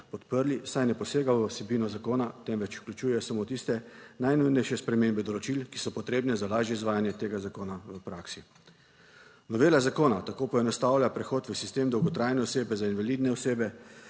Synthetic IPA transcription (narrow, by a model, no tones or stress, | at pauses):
pɔt̪pəɾlisajnɛpɔseːɡaəɔsɛbinɔzakoːnat̪ɛmʋɛt͡ʃu̥klʲut͡ʃuːjɛɔsamot̪ist̪ɛnajnujnɛjʃjɛspɾɛmembɛd̪ɔlɔt͡ʃilkisɔpɔt̪ɾeːbnɛzalaːʒjɛizʋaːjanjɛt̪eːɡazakoːnaʋəpɾaksi | nɔʋeːlazakoːnat̪akoːpɔɛnɔst̪awlʲjapɾɛxoːt̪ʋəsist̪eːmd̪ɔwɡɔt̪ɾaːjnɛɔseːbɛzainʋaliːd̪nɛɔseːbɛ